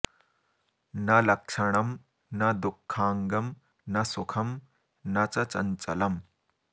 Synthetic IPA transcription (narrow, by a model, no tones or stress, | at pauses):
nɐlɐk̚ʂʰɐɽ̃ɐm | nɐd̪ukʰːaːŋɡɐm | nɐsukʰɐm | nɐt͡sɐt͡sɐ̰nt͡sɐ̰lɐm